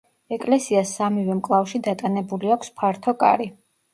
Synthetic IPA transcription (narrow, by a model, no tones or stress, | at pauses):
ɛkʼlɛsiasamivɛmkʼlˠafʃid̪at̪ʼanɛbuliakʰʷspʰaɾt̪ʰɔkʼa̰ɾi